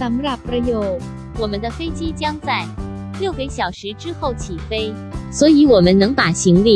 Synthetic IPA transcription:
ta˧m˦ɾa˥˧pɾa˧jo˨˩ʊ | wɔ˨˩mə˦nd̪ə˧fe˥ɪt͡ɕi˥t͡ɕjɑ˥ŋt͡sa˥˩ɪljo˥˩ʊka˧˥ɪɕjɑ˨˩ʊʂɻ̩˧˥ʈ͡ʂɻ̩˥xo˥˩ʊt͡ɕʰi˨˩fe˥ɪ | swɔ˧˥i˧˥wɔ˨˩mə˦nɤ˧˥ŋpa˨˩ɕi˧˥ŋli˥˩

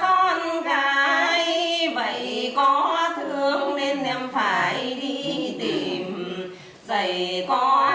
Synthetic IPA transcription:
kɔː˧˩nkaː˧jba˨˧˩jkɔː˧˥˦t̪ʰɯ˧˦ŋne˧˥nːɛ˧mfʰaː˨˩jdiː˧˥˩t̪i˨˩m | sa˨˩jkɔː˧˦

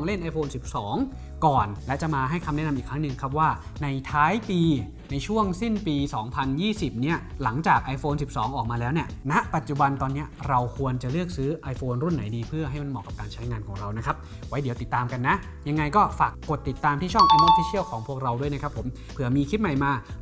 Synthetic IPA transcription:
ŋle˥˩nʔa˧jfʰoː˧nsi˨˩p̚sɔː˩˦ŋ | kɔː˨˩nlɛ˦˥t͡ɕa˨˩maː˧ɦa˥˩jkʰa˧mnɛ˦˥n˧mʔiː˨˩kʰɾa˦˥nɯ˨˩ŋkʰa˦˥p̬̚waː˥˩ | na˧jt̪ʰaː˦˥jpiː˧ | na˧jt͡ɕʰu˥˩əŋsi˥˩npiː˧sɔː˩˦ŋpʰa˧njiː˥˩si˨˩p̚ni˦˥ɐla˩˦ŋt͡ɕaː˨˩k̚ʔa˧jfoː˧nsi˨˩p̚sɔː˩˦ŋʔɔː˨˩k̚maː˧lɛː˦˥wni˥˩ɐna˦˥ʔpa˨˩t̪̚t͡ɕu˨˩ba˧nt̪ɔː˧nːi˦˥ɐɾa˧wkʰu˧ənt͡ɕa˨˩lɯ˥˩ək̚sɯː˦˥ʔa˧jfoː˧nɾu˥˩nːa˩˦jdiː˧pʰɯ˥˩ɐɦa˥˩jma˥nmɔː˨˩kːa˨˩p̚kaː˧nt͡ɕʰa˦˥jŋaː˧nkʰɔː˩˦ŋɾa˧wna˦˥kʰa˦˥p̚ | wa˦˥jdi˩˦wt̪i˨˩t̪ːaː˧mka˧nːa˦˥ | ja˧ŋːa˧jkɔː˥˩faː˨˩kːo˨˩t̪ːi˨˩t̪ːaː˧mt̪ʰiː˥˩t͡ɕʰɔ˥˩ŋʔa˧mː˧˥fʰiː˧˥sʰi˥əwkʰɔː˩˦ŋpʰu˥ək̚ɾa˧wdu˥˩əjna˦˥kʰa˦˥pʰːo˩˦m | pʰɯ˨˩əmiː˧kʰi˦˥t̪̚ma˨˩jmaː˧

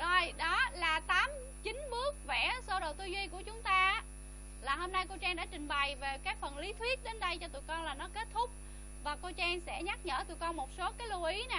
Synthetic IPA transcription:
zo˧jɗɔ˨˦laː˨˩t̪aː˨˦m | t͡ɕï˨˦ŋ̟ɓɨ˦˥ək̚vɛ̰˧˩so˧ɗo̰˨t̪u˧zwi˧ku˧˩ət͡ɕʊ˨˦ŋ͡mt̪aː˧ | laː˨˩ho˧mna˧jko˧wt͡ɕaː˧ŋɗa̰ː˧˥t͡ɕï˨˩ŋ̟ɓa˨˩jve˨˩kaː˦˥k̚fə˨˩nli˨˦t̪ʰwi˦˥ət̚ɗe˨˦nɗə˧jt͡ɕɔ˧t̪u˨˩˨jkɔ˧nlaː˨˩nɔ˨˦ke˦˥t̚t̪ʰʊ˦˥k͡p̚ | vaː˨˩ko˧t͡ɕɛː˧ŋsɛ̰˧˥ɲa˦˥t̚ɲə̰ː˧˨t̪u˨˩əjkɔ˧nmo˨˩t̚so˨˦kaː˨˦jlu˧ʔi˨˦na˨˩

